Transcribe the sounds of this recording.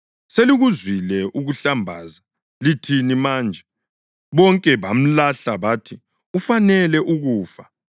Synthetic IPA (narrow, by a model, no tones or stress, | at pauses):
seliɣuzwilɛʔuɣuɬambʱaːza | litʰinimaːnd͡ʒʱɛ | βɔŋkʼɛβam̩laɬaβaːtʰi | ufanɛlɛʔuɣuːfa